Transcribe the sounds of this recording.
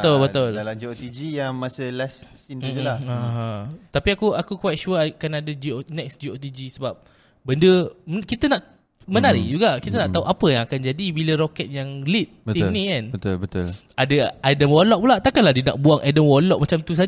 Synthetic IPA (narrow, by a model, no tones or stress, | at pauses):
bət̪ulbət̪ʊldalamd͡ʒiot̪id͡ʒijaŋmasəlɛssinud͡ʒulaaɦãt̪apiakuakukwajt̪̚ʃuəkanadəd͡ʒionɛksd͡ʒiot̪̬id͡ʒisəbap̚ | bəndəməkit̪ənaʔ | mənaɾḭd͡ʒuɡaʔkit̪ənaʔ̪aɦuʔapəjaŋakand͡ʒadibiləɾokɛt̪̚jaŋlit̪̚bət̪inĩkanbət̪ulbət̪ʊl | adəadəmwɔlɔʔ̚pulaʔt̪akanlahdina̰ʔ̚buaŋʔadəmwɔlɔʔ̚mat͡ʃamt̪us̬a